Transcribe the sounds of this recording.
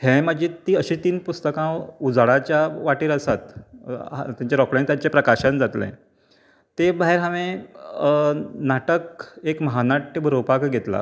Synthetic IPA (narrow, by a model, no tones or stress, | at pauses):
hẽmad͡ʑiːt̪ːiːəɕiːt̪iːnpust̪əkãud͡zɭat͡ɕjaʋaʈiːɾəsat̪ | t̪jãɲt͡ɕaɾɔkɽãnt̪jaɲt͡ɕepɾəkaɕənd͡zat̪lḛ̃ | t̪ebʱaɦeɾɦaʋẽ | naʈəkekməɦanaʈibʱɾopakɡʱet̪la̰